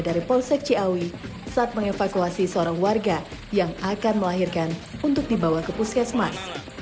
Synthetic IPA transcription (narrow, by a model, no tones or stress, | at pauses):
daɾipɔlsɛk̚t͡ʃiawi | saʔːt̪̚məŋefakuasisəoɾaŋwarɡajaŋakanməlaɦirkanunt̪ʊk̚dibawakəpusasmas